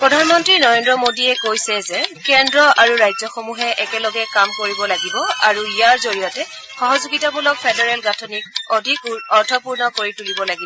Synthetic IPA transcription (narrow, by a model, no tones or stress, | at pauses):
pɹɔdʱanmɔntɹinɔɹendɹɔmodiɛkojsɛzɛkɛndɹɔaɹuɹajzɔxomuɦɛʔɛkɛlɔɡɛkamkoɹibɔlaɡibɔaɹuijaɹzoɹijɔtɛ | xɔɦɔzuɡitabulɔk̚pʰɛdɔɹɛlɡatʰɔnik̚odʱikɔɹtʰɔpuɹnɔkoɹitulibɔlaɡibɔ